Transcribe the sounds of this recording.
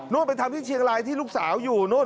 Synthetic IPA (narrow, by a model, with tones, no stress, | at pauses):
noː˥˩t̪̚pa˧jt̪ʰa˧mt̪ʰiː˥˩t͡ɕʰi˧əŋɾaː˧jt̪ʰiː˥˩luː˥˩k̚saː˩˦wjuː˨˩noː˥˩